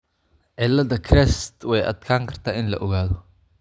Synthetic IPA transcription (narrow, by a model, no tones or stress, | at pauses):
ʔɛlːɐd̪ɐkʰɾɛst̪wɛjʔɐ̰d̪kʰaːŋkʰɐr̥t̪ʰaʔɪnlɐ̰ʔɔɣaːðɔ